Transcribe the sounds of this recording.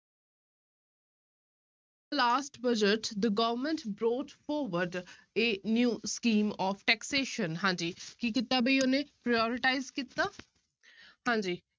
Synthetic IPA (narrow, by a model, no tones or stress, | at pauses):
əlaːsʈbəd͡ʒəʈd̪əɡəʋəɾmə̃ɳʈbɾoːʈfɔːɾʋəɾɖ | eːnjuːskĩːmɔːfʈɛkseːʃənɦãːnd͡ʒiːkiːkit̪ːaːbəionẽpɾajɔːɾɪʈaːɪzkit̪aː | hãːɲd͡ʒiː